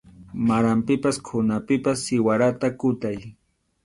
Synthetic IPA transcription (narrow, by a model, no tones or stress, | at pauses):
maɾampɪpaskʰʊnapɪpasːɪwaɾat̪akʊt̪aj